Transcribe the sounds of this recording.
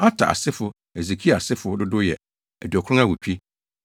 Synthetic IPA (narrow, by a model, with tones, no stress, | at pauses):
a˦tʰa̰˨ʔa̰˨sɪ˦fʊ˨ | e˨ze˨kʰi˦˨a˨sɪ˦fʊ˨˦dʊ˦dʊ˦jɛ̰˨ | æ˨dɥɔ˨kʰʊ˦ʊ̃˦a˦˨wʊ˨t͡ɕᶣi˦